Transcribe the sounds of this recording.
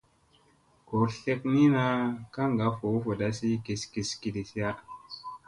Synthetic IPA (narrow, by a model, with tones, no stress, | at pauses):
ko˨ɬe˦k̚ni˦na˧ka˦ŋɡa˨˦fo˨˦fo˨da˦si˦ki˨ski˨ski˨di˨si˦a˦